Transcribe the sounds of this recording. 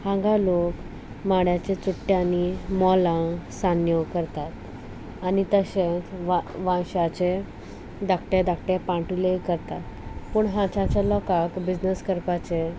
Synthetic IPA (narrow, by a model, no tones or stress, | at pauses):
hãŋɡalok | maɽjat͡ɕet͡suʈːjanimɔlãsanjəkəɾt̪at̪ | anit̪əɕet͡sʋaʋãɕat͡ɕe | d̪ak̚ʰʈed̪ak̚ʈepãʈulekəɾt̪at̪ | puːɳɦãt͡ɕãt͡ɕalɔkakbid͡ʑnəskəɾpat͡ɕe